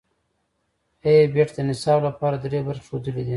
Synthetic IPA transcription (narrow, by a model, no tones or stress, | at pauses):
ejebeʈd̪ənɪsɑblapɑɾad̪ɾebaɾʃod̪əlid̪i